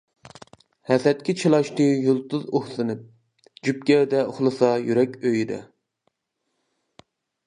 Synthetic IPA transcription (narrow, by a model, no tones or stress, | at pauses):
hɛsɛt̪̚kʲʰɪt͡ʃʰilˠɑʃt̪ɨjulˠt̪ʊzohsɨnɨp̚ | d͡ʒyp̚kʲɛːd̪ɛoχlˠɨsɑjyɾɛkʲøjid̪ɛ̰